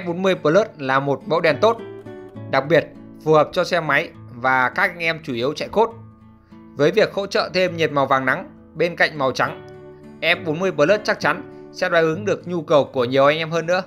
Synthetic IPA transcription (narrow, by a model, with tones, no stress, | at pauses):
ʔɛ˥p̚ɓo˨˦nmɨ˧əjpəː˧ləː˦˥t̚laː˨˩mo˨˩t̚ɓə̰˧˥wɗɛ˨˩nt̪o˦˥t̚ɗa˨˩k̚ɓi˨˩ət̚ | fu˨˩həː˨˩p̚t͡ɕɔ˧sɛ˧ma˨˦jvaː˨˩kaː˦˥k̚ʔa˧˨jŋ̟ʔɛ˧mt͡ɕu˧˩i˨˦əwt͡ɕa̰˧˨jxo˦˥t̚ | vəː˨˦jvi˨˩ək̚ho̰˧˥t͡ɕə̰ː˧˨t̪ʰe˧mɲe˨˩t̚ma˨˩wvaː˨˩ŋna˨˦ŋ | ɓe˧nka̰˧˨jŋ̟ma˨˩wt͡ɕa˨˦ŋʔɛ˦˥p̚ɓo˨˦nmɨ˧əjpəː˧˩ləː˦˥t̚t͡ɕa˦˥k̚t͡ɕa˨˦nsɛ̰˧˥ɗwaː˨˧˩jʔɨ˨˦ŋɗɨ˨˩ək̚ɲu˧kə˨˩wku˧˩əɲi˨˩əwʔa˧jŋ̟ʔɛ˧mhəː˧nːɨ̰˧˥ə